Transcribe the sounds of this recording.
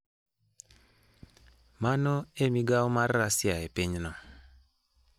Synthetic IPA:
manɔemiɡawɔmarːasjaepiɲnɔ

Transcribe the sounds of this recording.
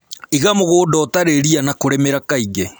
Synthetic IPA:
iɣamoɣoːdɔːtaɾeɾianakoɾɛmeɾakaiɣe

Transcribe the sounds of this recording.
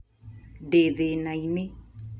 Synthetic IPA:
ɖeðenajne

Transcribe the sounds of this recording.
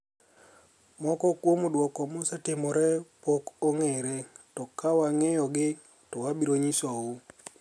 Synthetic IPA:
mɔkɔkwomodwɔkɔmosɛtɪmɔɾɛpokoŋeɾetɔkawaŋejɔɡɪ | tɔwabiɾoɲisau

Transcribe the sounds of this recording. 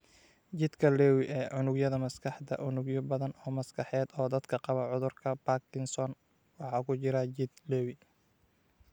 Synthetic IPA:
t͡ʃɪd̪kʰɐlɛːwɪʔɛːʕʊnʊɡjɐðɐmɐskʰɑħd̪ɐ̰ʔʊnʊɡjʊbɐðɐnɔːmɐskʰɑħɛːd̪ɔːd̪ɐd̪kʰɐqɑβɐʕʊðʊrkʰɐbakʰɪnsɔːn | wɑħɑːkʰʊt͡ʃɪɾɐt͡ʃɪd̪lɛːwɪ

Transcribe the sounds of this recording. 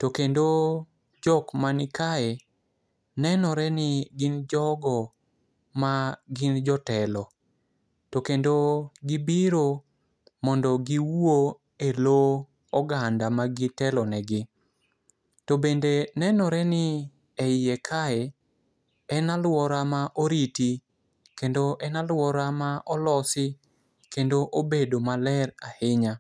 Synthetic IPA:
tokendo | d͡ʒɔkmanɪkae | nɛnɔɾɛnɪɡɪnd͡ʒɔɡɔ | maɡɪnd͡ʒɔtɛlɔ | tokendoɡɪbiɾo | mɔndɔɡiwo | elo | ɔɡandamaɡɪtɛlɔnɛɡɪ | tobendenɛnɔɾɛnɪ | ɛɪekʰaɛ | ɛnalwɔɾamaʔoɾiti | kendoʔɛnalwɔɾamaʔɔlɔsɪ | kendoʔobedomalɛrahɪɲa

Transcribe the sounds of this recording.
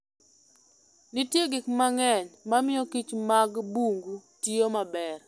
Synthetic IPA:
nɪtjeɡɪkmaŋɛɲmamɪjokit͡ʃmaɡbuŋɡutɪomabɛr

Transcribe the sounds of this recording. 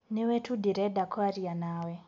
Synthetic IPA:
newɛtudiɾɛdakʰɔaɾianaːwɛ

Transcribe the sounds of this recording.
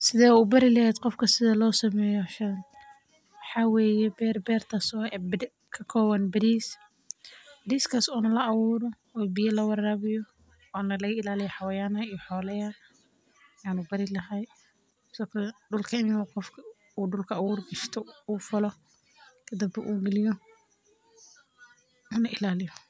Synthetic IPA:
sɪðɛːubɐɾɪlɐɦɛːd̪qɔfkʰɐsɪðɐlɔːsɐmɛːjɔʃɐn | wħawɛːjɛbɛːrbɛːrt̪ʰasɔ | kʰɐkʰɔːwɐnbɪɾiːs | bɪɾiːskʰaːsɔːnɐlɐʔːwuːɾɔ | ɔːbɪjɐlɐwɑɾaːβɪjɔ | ɔːnɐlɐɣɐɪlaːlɪjɐħɑwɐjaːnɐijɔħɔːlɛjɐ | aːnubɐɾɪlɐɦɛj | sɔktʰɐɖʊlkʰɐɪmɪnaqɔfkʰɐ | uːɖʊlkʰɐawuːrɡɐʃt̪ʰɔuːfɔlɔ | kʰɐd̪ɐbɛʔuːɡɐlɪjɔ | ɔːnɐʔɪlaːlɪjɔ

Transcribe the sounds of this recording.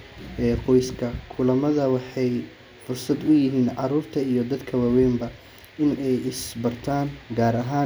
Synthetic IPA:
ʔɛːqɔjskʰɐkʰʊlɐmɐðɐwɑħɑj | fʊrsɐd̪ʊjɪɦiːnʕɑɾuːrt̪ʰɐijɞd̪ɐd̪kʰɐwɑːwɛːmbɐ | ɪnɛjɪsbɐrt̪ʰaːŋɡaːɾɐɦaː

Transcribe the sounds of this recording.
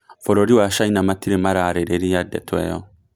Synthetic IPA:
fɔɾɔɾiwaʃainamatiɾemaɾaɾeɾeɾijadɛ̰twɛ̰jɔ

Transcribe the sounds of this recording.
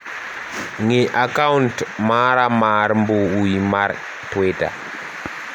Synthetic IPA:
ŋeʔakauntmaɾamaɾmbuuimaɾ | tweta̰

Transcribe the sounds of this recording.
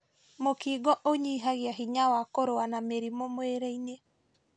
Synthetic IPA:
mokiːɡɔʔoɲiːɦaɣiaɦiɲawakoɾoanameɾimomweɾeine

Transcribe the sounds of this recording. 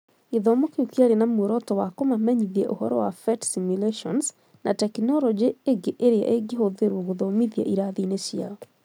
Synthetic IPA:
eðɔmokeukiaɾenamwoɾɔtɔwakomamɛɲiðiɛʔohɔɾɔ̰wafɛtsimjuleʃɔns | nʔatɛknɔlɔd͡ʒieɡeʔeɾea̰ʔeɡehoðeɾwoɣoðɔmiðia̰ʔiɾaðinesjia̰ɔ

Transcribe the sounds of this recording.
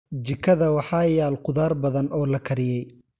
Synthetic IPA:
d͡ʒɪkʰɐðɐwɑħɑːjaːlqʊðaːrbɐðɐnʔɔːlɐkʰɐɾɪjɛj

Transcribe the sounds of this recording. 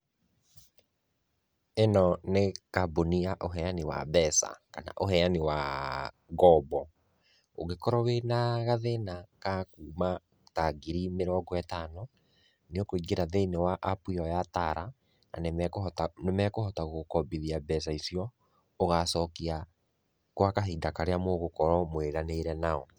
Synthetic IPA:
enɔnekaboniaʔoɦɛaniwa̰bɛsa̰ka̰na̰ʔoɦɛaniwa | ɣɔbɔ | oɣekɔɾɔwenaɣaðenakakuːma | taɡiɾimeɾɔːɡɔɛtanɔ | neɔkoiɡeɾaðeinewaʔapwiɔjataɾa | na̰nemknemɛkohɔtaɣookɔbiðiabɛs̬aisiɔ | oɣasɔkia | kwakaɦidakaɾeamoɣokɔɾɔmweɾaneɾɛnaɔ

